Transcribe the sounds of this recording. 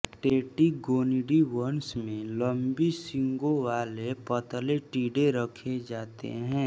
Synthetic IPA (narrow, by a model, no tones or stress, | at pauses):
ʈeːʈiɡoːniɖiʋənsmẽləmbisɪ̃ŋɡoʋaːlepət̪leʈiːɖeɾəkʰed͡ʒaːt̪ḛɦɛ̃ː